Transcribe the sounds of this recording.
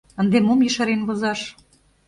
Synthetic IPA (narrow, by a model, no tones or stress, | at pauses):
ə̆nd̪emomjiʃɑɾenβɤ̆zɑʃ